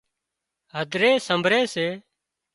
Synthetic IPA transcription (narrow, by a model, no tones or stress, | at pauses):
ɦəd̪ʱɾeːsəmbʱɾeːseː